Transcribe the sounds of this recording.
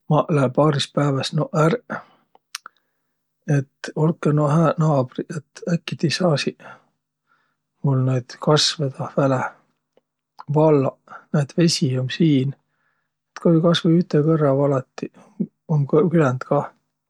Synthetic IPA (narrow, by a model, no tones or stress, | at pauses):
mɑʔlæpɑːɾispæːvɑsnoʔæɾ | et̪ːolkːˑenohæːnɑːb̥ɾriʔet̪ːækːit̪isɑːsi | mulned̪̥kɑsved̪̥ɑvæle | vɑlːɑned̪̥ve̞sʲiomsiːn | et̪kohikɑsveyt̪ːekɤrːɑvɑlɑt̪ːˑi | omkkylænd̪̥kɑː